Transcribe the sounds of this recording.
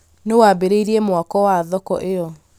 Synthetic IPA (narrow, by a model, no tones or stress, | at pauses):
newabeɾeiɾiemwakɔwaðɔkɔʔeɔ